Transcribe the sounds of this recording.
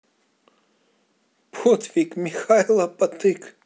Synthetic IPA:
pʰot̪ʰvikʼmʲixajlˠɐpʼat̪ʰʼɨkʰʼ

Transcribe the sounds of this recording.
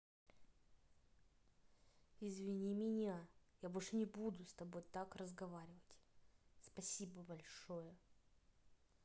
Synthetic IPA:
ɪzvʲɪnʲimʲɪnʲajabolʲʂɨnʲɪbud̪ʊst̪ɐbo̞jt̪akrəzɡɐvaɾʲɪvətʲspɐsʲibəbɐlʲʂojə

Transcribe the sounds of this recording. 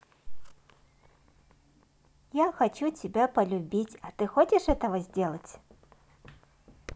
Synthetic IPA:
jaxat͡ɕut͡sʲɪbʲapɐlʲubʲit͡sʲɐt̪ɨxɔt͡ɕʲɪʂɛt̪ɐvɐzʲdʲelˠɐt͡sʲ

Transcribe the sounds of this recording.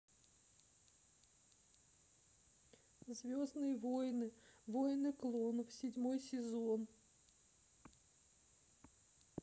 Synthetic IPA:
zvʲoznɨjəvojnɨvojnɨklˠonfsʲɪdʲmojsʲɪzon

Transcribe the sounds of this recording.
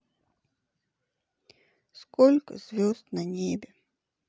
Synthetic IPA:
skɔlʲkɐ̰zvʲɔzt̪nɐnʲɛbʲɛ

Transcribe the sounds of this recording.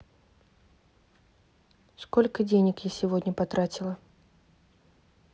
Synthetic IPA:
skɔlʲkəd͡zʲenʲəkjasʲɪvɔd̪ʲnʲəpat̪ɾat͡sʲilˠə

